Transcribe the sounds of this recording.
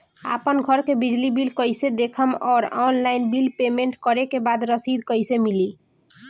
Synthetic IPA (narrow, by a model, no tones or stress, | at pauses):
a̰pənɡʱʌɾkebid͡ʒlibilkəjsed̪ekʰəmɔɾɔnlajnbilpemeɳʈkəɾekebad̪ɾəsid̪kʌjsemili